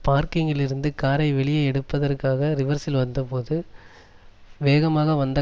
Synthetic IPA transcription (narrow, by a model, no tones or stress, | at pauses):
paːɾkɪŋɡɪɭɪɾɯnd̪ɯkaːɾɐɪʋɛɭɪjɐɛɽɯpːɐðɐrkaːɣɐɾɪʋɐɾsɪlʋɐnd̪ɐpoːðɯ | ʋeːɣɐmaːɣɐʋɐnd̪ɐ